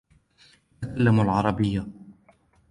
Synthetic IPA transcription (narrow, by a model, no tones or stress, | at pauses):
t̪akalːamalʕɑɾˤɑbɪjːa